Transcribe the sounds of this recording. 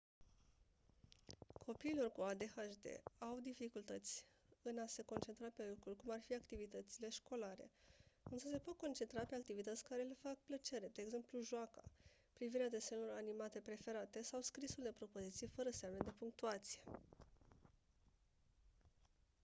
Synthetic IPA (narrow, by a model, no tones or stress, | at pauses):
kʰo̞piːlo̞rkuad̪e̞xaʃd̪e̞̰awd̪ifikult̪ət̪sʲ | ɨnase̞ko̞nt͡ʃent̪ɾape̞lukɾulʲkumarfiakt̪ivit̪ət̪sile̞ʃko̞laɾe̞̰ɨnsəse̞po̞t̪̚ko̞nt͡ʃe̞nt̪ɾape̞ak̚t̪ivit̪ət̪sʲkaɾe̞le̞fak̚plət͡ʃe̞ɾe̞d̪e̞ːɡze̞mpluʒoaka̰ | pɾiviɾead̪e̞se̞luɾanimat̪e̞pɾe̞fe̞ɾat̪e̞sawskɾisuld̪e̞pɾo̞po̞zit̪sijefəɾəseamned̪e̞puŋk̚t̪uat̪sije̞